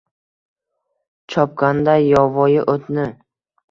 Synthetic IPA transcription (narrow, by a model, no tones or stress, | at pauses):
t͡ʃʰɒp̚kand̪ajɒvɒjɪʔot̪nɪ